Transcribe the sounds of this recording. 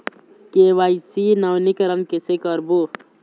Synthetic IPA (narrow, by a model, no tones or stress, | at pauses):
keːʋaːisinɐwnikəɾənkesekəɾbu